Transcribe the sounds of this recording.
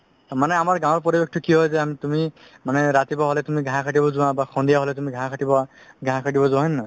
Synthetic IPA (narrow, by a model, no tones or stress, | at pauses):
manɛamaɹɡãw̃ɔɹpɔɹibek̚ʰtʰɔkiɦɔjzɛamit̪umi | manɛɹat̪ibɔɦɔlɛtumiɡʱãɦãkʰaʈ̬ibɔzũwãbaxʰɔ̃ndijaɦɔlɛtumiɡʱãɦãkʰaʈibɔɡʱaɦãkʰaʈibɔzʊ̃waɦinna